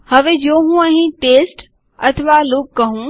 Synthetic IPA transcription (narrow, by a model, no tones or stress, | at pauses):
hɐʋeːd͡ʒoːɦũɐɦĩʈeːsʈ | ɐ̰t̪ʰʋalʊkːɐɦũ